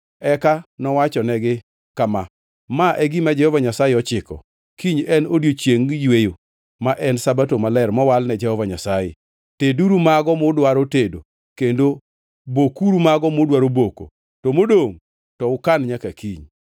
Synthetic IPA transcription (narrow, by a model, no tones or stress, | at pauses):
ɛkanɔwat͡ʃɔnɛɡɪ | kama | maʔɛɡimad͡ʒɛhɔvaɲasajeɔt͡ʃɪkɔ̰ | kiɲɛnodjot͡ʃjeŋjwejo | maʔɛnsabatomalɛrmɔwalnɛd͡ʒɛhɔvaɲasajḛ | teduɾumaɡɔmʊdwaɾotedo | kendo | bokuɾumaɡɔmodwaɾoboko̰ | tɔmodoŋ | tɔʊkanɲakakiɲ